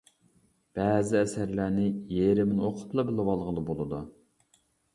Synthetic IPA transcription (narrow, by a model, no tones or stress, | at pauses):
b̥ɛːzɪɛsæɾlænɪjeɾɪmɪnoqʰʊ̥t̪lˠɑbɪlɪwɑlˠʁəlˠɨbolˠɨd̪u